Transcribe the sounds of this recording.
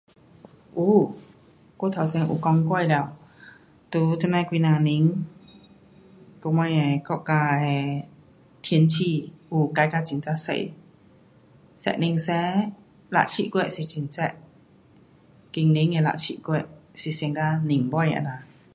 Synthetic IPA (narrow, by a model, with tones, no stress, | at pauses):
ʔu˧˩ | ko˧˦t̪ʰa˨˩wsi˧ŋʔṵ˨˩kɔ˧ŋkwa˥˧jlɛ˧˩˨w | t̪u˧˦t͡sɛ˧˨na˧kwiː˧nã˧˩ni˧˦ŋ | ko˧ma˧˦jɛ˨˩kɔ˧ʔka˧ɛ˨˩ | t̪ʰi˧˦ənt͡ɕʰi˧˩u˧˩ka˧˦jkaː˧t͡ɕi˨˩˨nt͡sa˧sḛ˧˨j | sɛ̰˧˨ʔni˧ŋsɛ˧˦ | la̰˧ʔt͡ɕʰḭ˧˨ʔkwɛ˧˨ʔsi˨˩t͡ɕi˨˩˨nt͡sɛ˧˩ʔ̚ | ki˧ŋni˧˦ŋɛ˧˨la̰˧˨t͡ɕʰḭ˧˨kwɛ˧˨ʔsi˨˩si˧ŋka˧ni˨˩ŋbɔ˧˨ja̰˧˨na˧˩